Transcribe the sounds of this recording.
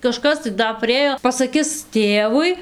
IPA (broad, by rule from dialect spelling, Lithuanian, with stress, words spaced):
kɐˈʃkɐs tɐɪ ˈdɐ pʲrʲɪˈeːjoː pɐsɐˈkʲɪs ˈtʲeːʋʊɪ